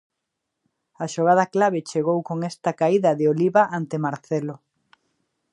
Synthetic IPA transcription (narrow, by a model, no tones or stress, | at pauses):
ɐʃoɣ̞að̞ɐklaβ̞et͡ʃeɣowkoŋest̪ɐkaiðɐðɪoliβaʔant̪emaɾθelo